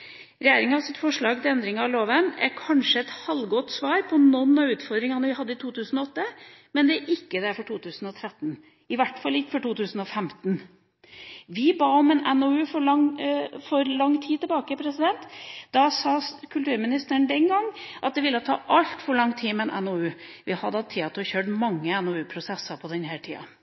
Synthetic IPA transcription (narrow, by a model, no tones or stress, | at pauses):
ɾɛjeːɾɪŋɑʋsɪt̪ːfɔʂɭɑːɡ̚t̪ɪlɛnd̪ɾɪŋɑɑloːʋənɛ̰ɾkʰɑnʂəɛt̪hɑlɡɔt̪ːsʋɑːɾpʰɔnɔnːɑʉːt̪fɔɾd̪ɾɪŋɑnəʋɪhɑd̪ːəɪt̪ʰuːt̪ʰʉːsn̩ɔɔt̪ːəmɛnd̪ɛæɾʔɪkːəd̪ɛæɾfɔʈʰuːt̪ʰʉːsn̩ɔt̪ʰɾɛt̪ːn | ɪʋæʈːfɑlːɪkːə̥fɔʈuːt̪ʉːsn̩ɔfɛmt̪n | ʋɪbɑːɔmɛnɛnoːʉːfɔɭɑŋfɔɾlɑŋːt̪ʰiːt̪ɛlbɑːkəpʰɾɛsɪd̪ɛnt̪d̪̥ɑsɑːkʰʉlt̪ʉːɾmɪnɪst̪əɳ̩d̪ɛnɡɑŋːʔɑt̪̚d̪ɛʋɪlːət̪ʰɑ̰ːʔɑlt̪fɔɾɭɑŋːt̪ʰiːmɛɛnʔɛ̰noːʉːʋɪhɑd̪ːt̪ʰiːɑt̪ʊçøːʈmɑŋːəɛnoːʉːpʰɾʊsɛsɑpʰɔd̪ɛnhæːʈʰḭːɑ̰